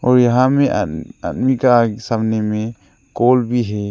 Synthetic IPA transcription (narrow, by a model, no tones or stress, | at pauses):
ɔɾjaɦamɛaa̰dmikasabnɛmɛ | kɔlbiɦɛ